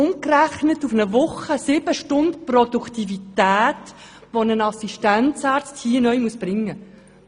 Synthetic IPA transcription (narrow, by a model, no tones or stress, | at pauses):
ʊŋkræχnətufnəvʊχəsɪb̥əʃtʊnt̪prɔd̪ukt̪ivitæːt̪ | ʋonənɑsiʃtæntt͡saːɾt͡sthiːənœʏmuəsb̥ɾɪŋːə